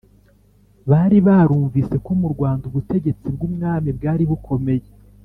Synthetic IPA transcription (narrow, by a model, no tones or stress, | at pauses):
βaːɾiβaːɾuːɱvise̞ko̞muɾɡwaːnduβute̞ɟe̞t͡sib̚ɡumŋaːmibɡaːɾiβukʰo̞me̞je